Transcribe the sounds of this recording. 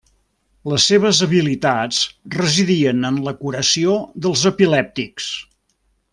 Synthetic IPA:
ləsːeβ̞əzəβilit̪at͡srəziðiənənləkuɾəsioðəlˠzəpilɛp̚t̪iks

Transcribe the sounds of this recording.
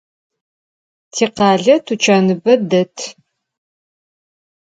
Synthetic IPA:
tʰeːqɑːɮɐtʰut͡ʃʰaːnɨbɐdɐtʰ

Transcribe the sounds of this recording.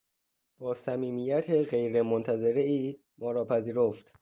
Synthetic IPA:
b̥ɒːsæmiːmiːjæt̪ʰe̞ɢe̞jɾemont̪ʰæze̞ɾeiː | mɒːɾɒːpʰæziːɾoft̪

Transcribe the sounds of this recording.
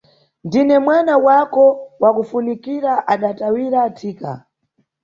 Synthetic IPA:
ndinɛmwanawakɔwakufunikiɾaʔaɗatawiɾatʰiːka̰

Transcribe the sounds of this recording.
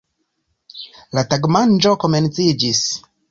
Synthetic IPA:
lataɡmand͡ʒo̞ko̞me̞nt͡sid͡ʒis

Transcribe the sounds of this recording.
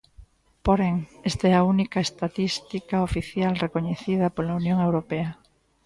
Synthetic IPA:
poɾeŋest̪aɛaunikaest̪at̪ist̪ikaofiθjalrekoɲeθið̞ɐpolaunjõŋewɾopea

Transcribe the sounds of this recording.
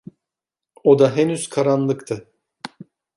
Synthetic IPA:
o̞d̪aɦenyz̥kʰaɾanlˠɯkt̪ʰɯ

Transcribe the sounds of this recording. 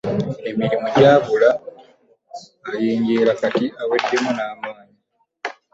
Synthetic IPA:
e̞miɾimoɟaːβula | jiːɲɟeːlakatiʔawe̞dːemunaːmaːni

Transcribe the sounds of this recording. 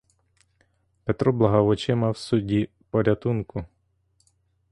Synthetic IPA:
pet̪ɾɔblˠɐɦɐʋɔt͡ʃɛmɐwsudʲi | pɔɾʲɐt̪unkʊ

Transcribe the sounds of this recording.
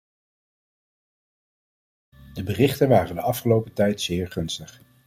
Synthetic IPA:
dəbərɪχtənʋaːrəndəɑfχəlowpətɛjtsɪːɹχɵnstəχ

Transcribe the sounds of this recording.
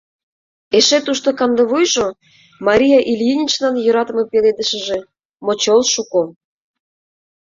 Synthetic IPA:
eʃet̪uʃt̪okɑnd̪ə̆βujʒo | mɑɾʲijɑʔilʲjinʲit͡ɕlɑnjøɾɑt̪ə̆mɤpeled̪əʃə̆ʒe | mot͡ɕolˠʃuko

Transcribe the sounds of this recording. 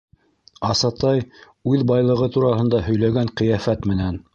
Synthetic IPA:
ɑsɑt̪ɑj | ʉðbɑjlˠɤ̆ʁɤt̪uɾɑɦɤ̆nd̪ɑhɵ̆jlæɡæɴqɘ̆jæfæt̪mɘ̆næn

